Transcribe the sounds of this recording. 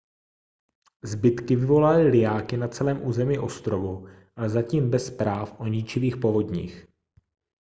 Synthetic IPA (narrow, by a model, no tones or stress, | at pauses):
zbɪt̪kɪvɪvo̞lalɪlɪjaːkɪnat͡sɛlɛːmʔuːzɛmiːʔo̞st̪ɾo̞vu | ʔalɛzaciːmbɛspɾaːfʔo̞ɲit͡ʃɪviːxpo̞vo̞d̪ɲḭːx